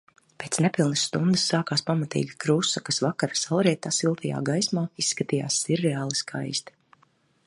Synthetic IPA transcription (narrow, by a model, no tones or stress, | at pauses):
pʲeːt̪snepilˠnasːt̪und̪ɨsːaːkaːspamat̪ḭːɡʲikɾusakasvakaɾasalˠɾɛt̪asilˠt̪ʰɐja̰ːɡajsmaːisːkat̪ija̰ːsːiɾːɛaːlˠiskʰa̰jst̪i̥